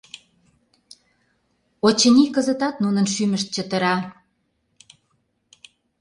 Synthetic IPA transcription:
ot͡ɕə̆nʲikəzə̆t̪ɑt̪nunənʃymə̆ʃt̪̚t͡ɕət̪ə̆ɾɑ

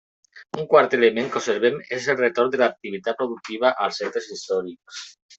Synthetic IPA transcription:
uŋkwaɾt̪elemẽŋkoseɾβemezelret̪oɾd̪elaːk̚t̪iβ̞it̪at̪̚pɾoðuk̚t̪iβaʔalsent̪ɾesist̪ɔɾiks

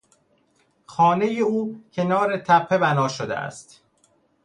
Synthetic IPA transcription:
xɒːne̞jeuːcʰe̞nɒːɾet̪ʰæpʰːe̞bænɒːʃod̪ḛʔæ̰st̪

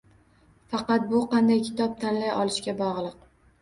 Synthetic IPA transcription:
fɑqɑt̪̚bʊqʰɑnd̪ajkʲʰɪ̥t̪ʰɒp̚t̪ʰanlajʔɒlɪʃkʲabɒʁlˠɨq

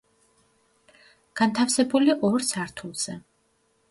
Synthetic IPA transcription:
ɡ̥ant̪ʰafsɛbuliʔɔɾsaɾt̪ʰulˠz̥ɛ

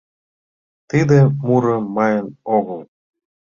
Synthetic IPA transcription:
t̪id̪ĕmuɾɤ̆mɑjənoɣəlˠ

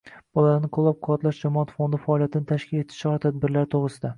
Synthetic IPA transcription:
b̥ɒlˠanɪqʰʊlˠːap̚qʰʊwɒt̪laʃd͡ʒamɒat̪fond̪ɪfaːlˠijat̪ʰɪnɪt̪ʰaʃkʲʰɪle̞t̪ʰɪ̥ʃɒɾt̪ʰad̪̚bɪɾlaɾt̪ʰoʁɾɪsɪd̪a

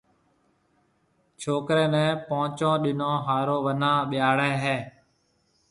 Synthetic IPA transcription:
t͡ʃʰoːkɾẽːnɛ̃ːpoːt͡ʃõːɗɪnõːɦaːɾoːʋənãːɓɪjaːɽɛːɦeː

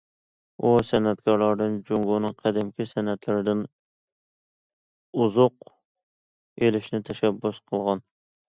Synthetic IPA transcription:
usɛnɛt̪kʰɑɾlˠɑɾd̪ɨnd͡ʒoŋɡonɨŋqʰæd̪ɪmkʲʰɪsɛnɛt̪lɪɾɪd̪ɪn | uzʊq | elɪʃnɪt̪ʰɛʃæbːʊsqʰəlˠʁɑn

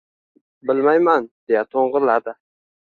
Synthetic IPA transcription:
bɪlmajmand̪̥e̞jat̪ʰoɴʁɨɾlaɾd̪ɪ

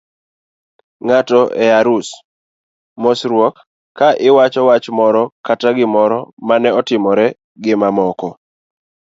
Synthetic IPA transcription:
ŋatɔʔɛaɾus | mɔsɾwɔkʰː | aʔɪwat͡ʃɔwat͡ʃmɔɾɔkataɡɪmɔɾɔmanɛɔtɪmɔɾɛ | ɡɪmamɔkɔ

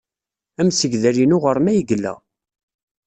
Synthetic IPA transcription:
æmsəʝðæɾinʊʁəɾmæjəɡəlːæ̰

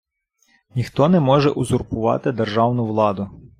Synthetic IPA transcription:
nʲixt̪ɔnɛmɔʒɛ̰ʔʊzʊrpʊʋɑ̰t̪ɪd̪erʒɑwnʊʋlˠɑd̪ʊ

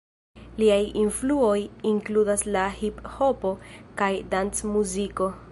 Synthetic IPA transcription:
liajinfluo̞jiŋkludaslahipho̞po̞kajdansmuziko̞

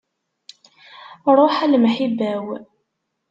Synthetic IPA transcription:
ɾˤoħalmħibæw

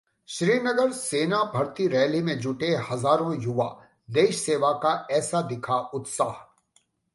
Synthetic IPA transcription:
ʃɾiːnɐɡəɾseːnabʱɐɾt̪iɾɛːlimẽd͡ʒʊʈehɐzaːɾõjʊʋa̰ | leːʃseːʋakaɛːsad̪ɪkʰaʊt̪saːɦ

